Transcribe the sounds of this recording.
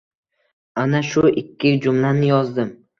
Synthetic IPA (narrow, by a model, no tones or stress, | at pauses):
anaʃʊʔɪkʲʰːɪd͡ʒʊmlanɪjɒzd̪ɪm